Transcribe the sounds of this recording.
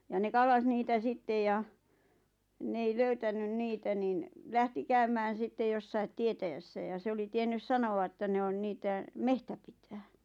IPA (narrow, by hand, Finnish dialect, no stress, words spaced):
jɑ ne kɑlːɑs niːtæ sitːej jɑ n ei løytænyn niːtæ nin læhti kæymæːn̞ sitːe josːɑit tietæjæsːæ jɑ se oli tienːys sɑnoɑ ĕtːæ ne on niːtæ mehtæ pitæː